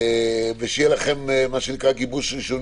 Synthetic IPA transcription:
veʃejelaχe̞mːaʃenikʁaɡibuʃʁiʃon

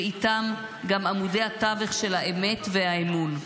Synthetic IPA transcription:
it̪am | ɡamamude̞jhat̪aveχʃe̞lhaeme̞tveaemun

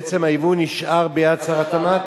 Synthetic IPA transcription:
t͡semajivuniʃʔaʁbejat͡saʁat̪ama

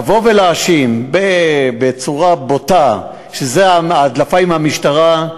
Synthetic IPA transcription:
vo̞velaːʃimbebet͡suʁabota | ʃezeaaːdlafaimhamiʃtaʁa

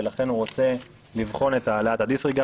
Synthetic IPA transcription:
elaχe̞nuʁo̞t͡se̞ | livχo̞ne̞taleaːtad̪isʁiɡa

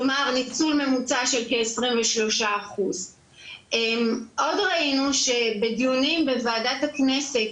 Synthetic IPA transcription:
maʁnit͡sulme̞mut͡saʃelkeːsʁimveʃlo̞ʃaːχuz | ʔemʔo̞dʁainuʃe̞bedijunimbevaːdatakne̞se̞t

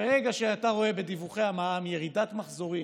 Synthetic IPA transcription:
eʁeɡaʃeataʁo̞e̞be̞d̪ivuχe̞amaamje̞ʁidatmaχzo̞ʁi

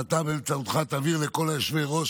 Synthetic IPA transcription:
at̪abeemt͡saut̪χat̪aviʁleko̞laeʃveʁo̞

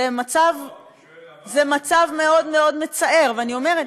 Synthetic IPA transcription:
emat͡sav | zemat͡savme̞o̞dmeodme̞t͡sae̞ʁveanio̞meʁet

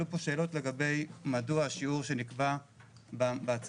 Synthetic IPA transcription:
upo̞ʃe̞ːlo̞tle̞ɡabe̞jmaduaːʃiuʁʃe̞nikbababeat͡s

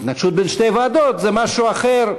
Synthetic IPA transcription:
t̪naɡʃut̪̚benʃt̪ejvaːd̪ot̪zɛmaʃuaχeɾ

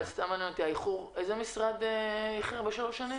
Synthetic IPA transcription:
lst̪amanɛnot̪iaiχuʁejzemisʁad̪eiχiabeʃalo̞ʃanim

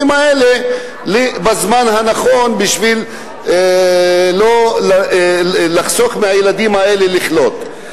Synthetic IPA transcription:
imaele | libazmanɦanaχo̞nbiʃvil | lol | laχsoχmehajelad̪imhae̞leliχlo̞t̪

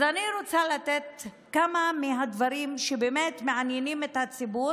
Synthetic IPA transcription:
zaniɾot͡salat̪et̪̚ | kamamiɦad̪vaɾimʃebeːmet̪me̞ʕanjenimet̪hat͡sibu

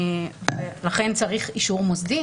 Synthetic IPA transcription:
velaχe̞nt͡saʁiχiʃuʁmozdi

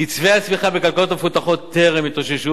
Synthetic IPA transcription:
jit͡sveasmiχabekalkalo̞t̪mfut̪aχo̞t̪ːeʁemit̪oʃeʃu

